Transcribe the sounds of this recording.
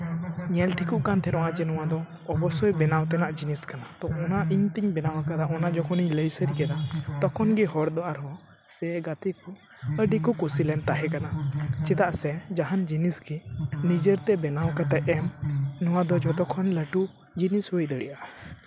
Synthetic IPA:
ɲɛlʈʰikuʔkant̪ʰɛɾɔwat͡ʃɛnɔwãd̪ɔː | bɔsɔjbɛnawt̪ɛnaʔd͡ʒiniskanat̪ɔɔnaʔiɲt̪iɲbɛnawakad̪aʔɔnad͡ʒɔkʰɔniɲləjsəɾikɛd̪at̪ɔkʰɔnɡɛɦɔɾd̪ɔʔaɾɦɔ | sɛɡat̪iku | əɖikɔkusilɛnt̪aɦɛkanat͡ʃit̪aʔsɛd͡ʒaɦand͡ʒinisɡɛnid͡ʒəɾt̪ɛbɛnawkat̪ɛʔɛmnɔwad̪ɔd͡ʒɔt̪ɔkʰɔnləʈu | d͡ʒinisɦujd̪əɽḭʔa

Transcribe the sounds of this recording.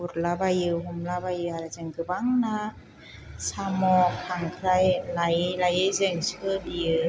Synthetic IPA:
uɾlabajɯɦɔmlabajɯaɾazɯŋɡɯbaŋna | samɔkʰaŋkʰɾajlajlajɯzɯŋskɯdijɯ

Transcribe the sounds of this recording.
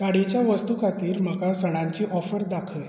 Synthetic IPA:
k̪aɽit͡ɕjaʋəst̪ukat̪iːɾm̤əkasəɽ̃ãɲt͡ɕiːʔɔfəɾd̪akʰəj

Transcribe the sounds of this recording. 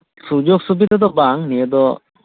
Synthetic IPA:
sud͡ʒɔk̚sub̬it̪ad̪ɔbaŋniɛd̪ɔ

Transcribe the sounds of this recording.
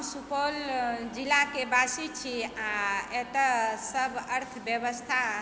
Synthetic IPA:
supold͡ʒilakebasit͡ʃʰiaet̪əsəbʱəɾt̪ʰbjəbəst̪ʰa

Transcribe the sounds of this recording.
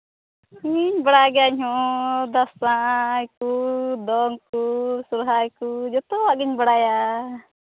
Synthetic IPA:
iɲbaɽaɡɛaɲɦɔ̃d̪asãjkud̪ɔŋkusuɾɦajkud͡ʒɔt̪ɔwaʔɡiɲbaɽaja

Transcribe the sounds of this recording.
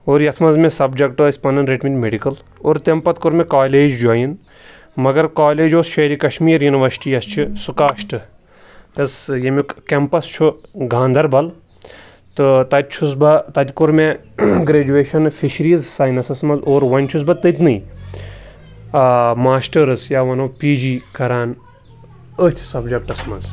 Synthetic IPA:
oːɾjɐt̪ʰmɐnzmẽsɐbd͡ʒɐkʈɨispɐnɐnɾeʈmit̪ʲmeɖikɐl | oːɾt̪empɐt̪kʊɾmẽkaːleːd͡ʒd͡ʒaːjin | mɐɡɐɾkaːleːd͡ʒoːsʃɐɾikɐʃmiːɾjuniʋɐɾsi̥ʈijɐst͡ʃʰisukaːʃʈɨ | t̪ɐsjɐmikkempɐst͡ʃʰuɡʱãːnd̪ʱɐɾbɐl | t̪ɨt̪ɐt̪̚ʲt͡ʃʰus̬bɐt̪ɐt̪ʲkuɾme | ɡɾeːd͡ʒuʋeːʃɐnfiʃɾiːzsaːjnɐsɐsmɐnzoːɾʋɐnʲt͡ʃʰus̬bɐt̪ɨt̪ʲnɨj | maːsʈɐɾɨsjaːʋɐnopiːd͡ʒiːkɐɾaːn | ət̪ʲʰsɐbd͡ʒɐk̚ʈɐsmɐz

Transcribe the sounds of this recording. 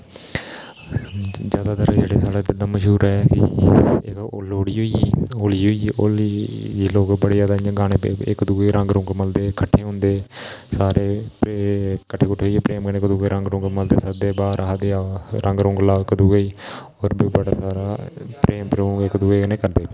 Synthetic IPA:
d͡ʒjaːd̪aːt̪əɾd͡ʒeːɽeːsaːleːd͡ʒɪd̪ãːməʃɦuːɾɛːkɪ̰ | koːloːɽiːɦoiiːoːliːɦoiʔoːliiːloːkbəɽeːd͡ʒaːd̪aːjãːɡaːñeːpḛɪ̰kd̪uːɡeːɾə̃ŋɡɾʊ̃ŋɡməld̪eːkəʈʰːeːɦʊ̃nd̪eːsaːɾeːpkəʈʰːeːkʊʈʰeɦoieːpɾeːmɡəneːkəd̪uːɡeːɾəŋɡɾʊ̃ːŋɡməld̪eːsəd̪eːbaːɾaɦd̪eːɾʔəŋɡɾʊ̃ŋɡlaːʋkəd̪uːɡoiː | oːɾbibəɽaːsaːɾaːpɾeːmpɾõɡɪkd̪uːeːkənẽːkəɾd̪eː

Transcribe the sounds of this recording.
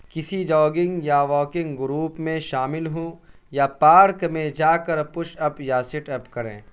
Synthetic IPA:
kɪsid͡ʒɔːɡɪ̃ŋɡjaʋɔːkɪ̃ŋɡɡʊɾuːpmẽʃaːmɪlɦõː | japaːɾkmẽd͡ʒaːkɐɾpʊʃɐpjaːsɪʈɛːpkɐɾḛ̃ː

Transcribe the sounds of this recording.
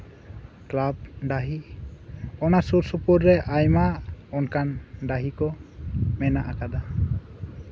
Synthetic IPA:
klab̚ɖaɦi | ɔnasuɾsupɔɾɾɛʔajmaɔnkʰandaɦikɔmɛnaʔakad̪a

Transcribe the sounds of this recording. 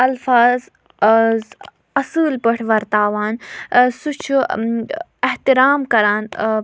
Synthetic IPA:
ɐlfaːz | z | ɐsɨːlpɐʈʰʋɐɾt̪aːʋaːnsut͡ʃʰu | eht̪iɾaːmkɐɾaːn

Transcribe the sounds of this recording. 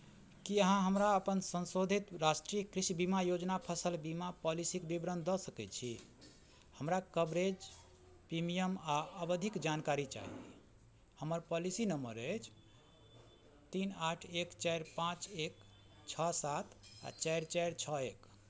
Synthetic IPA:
kiəɦãɦəmɾaəpənsə̃nsod̪ʱit̪ɾasʈɾijəkɾisibimajod͡ʒnapʰəsəlbimapɔlisikbibɾənd̪ɔsəkɛt͡ʃʰi | həmɾakəbɾed͡ʒ | pɾimijəmaəbəd̪ʱikd͡ʒankaɾit͡ʃa̰ɦḭ | həməɾpɔlisinəmə̰ɾət͡ʃʰ | t̪inaʈʰekt͡ʃajɾpãt͡ʃek | t͡ʃʰɔsat̪ʰa̰t͡ʃaɾt͡ʃajɾt͡ʃʰɔek

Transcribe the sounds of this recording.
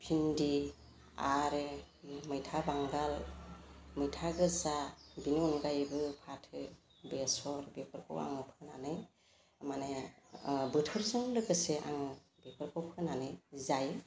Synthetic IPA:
pʰindi | a̰ɾe | mɯjtʰabaŋɡal | mɯjtʰaɡɯzabinɔŋɡajbɯpʰatʰɯ | besɔɾbepʰɯɾkʰo̰wa̰ŋɯpʰɯnanɯj | mane | bɯtʰɔɾzɯŋlɯkɯseʔa̰ŋɯ | bepʰɯɾkʰɔwpʰɯnanɯjzaj

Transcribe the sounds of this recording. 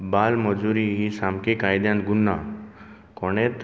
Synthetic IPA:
balməd͡zuɾiɦisamkikajd̪jãnt̪ɡunːa | kɔɽ̃et̪

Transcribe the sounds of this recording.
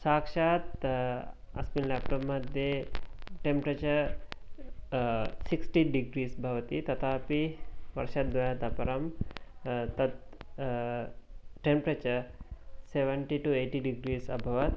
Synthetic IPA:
saːkʃaːt̪ | ɐsmillapʈɐmːɐd̪ʱjeʈempɾɐt͡ʃɐɾ | siksʈiɖiɡɾiːsbʱɐʋɐt̪it̪ɐt̪ʰaːpiʋɐɾʃɐt̪̚d̪ʋɐjaːt̪ɐpɐɾɐm | t̪ɐt̪ | ʈempɾɐt͡ʃɐɾseʋɐɳʈiʈueːʈiɖiɡɾiːsɐ̰bʱɐʋɐt̪

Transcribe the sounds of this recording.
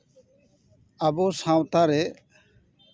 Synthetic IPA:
abosãwt̪aɾɛ

